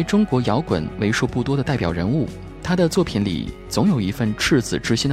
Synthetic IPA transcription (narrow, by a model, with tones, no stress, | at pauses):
ɪʈ͡ʂʊ˥ŋkwɔ˧˥jɑ˧˥ʊkwə̰˨˩˦nwe˧˥ɪʂu˥˧pu˥˩t̪wɔ˥d̪ə˨t̪a˥˩ɪpjɑ˨˩ʊɻə˧˥nu˥˩ | t̪ʰa˥d̪ə˨t͡swɔ˥˩pʰi˧˥nlḭ˨˩ | t͡sʊ˧˥ŋjo˨˩ʊi˧˥fə˥˧nʈ͡ʂʰɻ̩˥˩t͡sɹ̩˨˩ʈ͡ʂɻ̩˥ɕi˥n